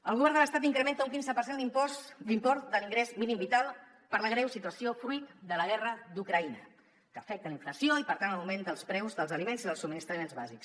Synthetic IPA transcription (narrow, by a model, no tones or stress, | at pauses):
əlˠɣuβɛɾnd̪ələst̪at̪iŋkɾəment̪əuŋk̬inzəpəɾsend̪impɔd̪impɔɾt̪d̪əliŋɡɾezminimbit̪alˠ | pəɾləɣɾɛwsit̪̬uəsiofɾuit̪d̪ələɣ̞ɛrəd̪ukɾəinə | kəːfɛk̚t̪ələiɱfləsioipəɾt̪anələwmend̪əlˠspɾɛwzðəlˠzəlimenziðəlˠsubminist̪ɾəmenzβa̰ziks